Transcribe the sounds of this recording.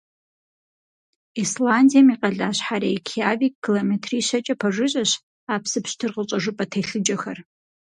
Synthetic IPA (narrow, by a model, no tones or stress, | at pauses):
islandijamiqʼɐɮaːɕħaɾeːkʰiaviːk̚ʼɡilometʰriːʃɐt͡ʃʼɐpʰɐʐɨɕʼɐɕ | aːpʰsɨpɕtʰɨrʁət͡ʃʼɐʒʷʊpʼɐtʰejɬɨd͡ʒʼɐxɐr